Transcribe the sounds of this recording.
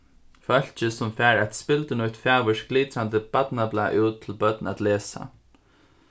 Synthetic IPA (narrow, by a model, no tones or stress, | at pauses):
fœl̥t͡ʃɪsʊmfæːɹat̪spɪlt̪ənʊjht̪faːʋʏʂɡliːt̪ɾant̪əbat̪naplaːʔuːt̪ʰːɪlbœt̪nat̪leːsa̰